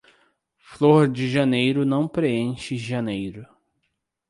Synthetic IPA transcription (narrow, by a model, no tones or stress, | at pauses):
floɾd͡ʒɪʒɐnejɾʊnɐ̃w̃pɾeẽʃɪʒɐnejɾʊ